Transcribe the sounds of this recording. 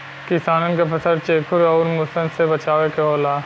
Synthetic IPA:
kɪsaːnənkapʰɐsəɾt͡ʃeːkʰʊɾɔːɾmʊsənsebɐt͡ʃaːʋekeɦoːlaː

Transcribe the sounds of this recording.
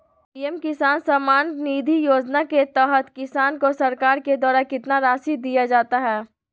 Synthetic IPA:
piːɛmkɪsaːnsamaːnniːd̪ʱijoːd͡ʒnaket̪ɛːɦət̪kɪsaːnkosɐɾkaːɾked̪ɔːɾakɪt̪naɾaːsid̪ijad͡ʒaːt̪aɦɛː

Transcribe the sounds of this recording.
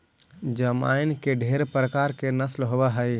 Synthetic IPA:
d͡ʒəma̰ːɪnkeɖʱeːɾpɾəkaːɾkenəslɦobaɦəj

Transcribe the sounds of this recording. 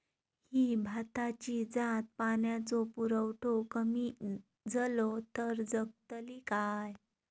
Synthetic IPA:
hibʱat̪at͡ɕid͡zat̪̚panjat͡sɔpuɾəwʈokəmi | d͡zəlot̪əɾd͡zəɡ̚t̪əlikaj

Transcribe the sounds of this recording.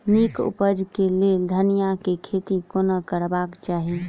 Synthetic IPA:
niːkʊ̰pəd͡ʒkeled̪ʱənijakikʰeːt̪ikonəkəɾbaːkt͡ʃaːɦie

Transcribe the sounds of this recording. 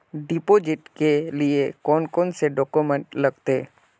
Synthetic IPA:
ɖipoːd͡ʒɪʈkeliekɔːnkɔːnseɖɔːkumə̃ɳʈlɐɡt̪e

